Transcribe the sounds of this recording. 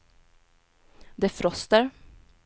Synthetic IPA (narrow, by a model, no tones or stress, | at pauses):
d̪eːfɾɔst̪əɾ